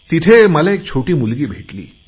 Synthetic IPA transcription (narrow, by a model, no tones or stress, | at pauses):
t̪it̪ʰeməlẽek̚t͡ɕʰoʈiːmulɡiːbʱeʈlḭː